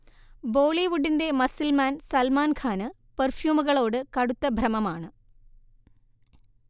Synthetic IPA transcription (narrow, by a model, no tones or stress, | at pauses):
bo̞ːɭiʋuɖːinde̞mɐsilmaːnsɐlmaːnkʰaːnɨ | pɐrfjuːmuɣɐɭo̞ːɽɨkɐɽut̪ːɐbʱɾɐmɐmaːɳɨ